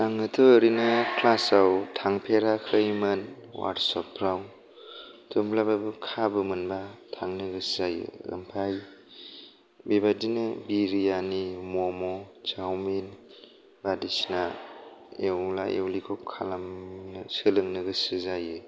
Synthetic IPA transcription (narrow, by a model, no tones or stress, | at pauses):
taŋɯtʰɯɾinɯkʰlasawtʰaŋpʰeɾakʰɯjmɯnwa̰ɾsɔpʰːɾaw | tʰumblababɯkʰabɯmɯnbatʰaŋnɯɡɯszajɯ̰ɯ̰mpʰaj | bibadinɯbiɾijanimɔmɔd͡ʒawmin | badisna | ewla̰ḛwlikʰɔp̚kʰalamnɯsɯlɯŋnɯɡɯsɯzajɯ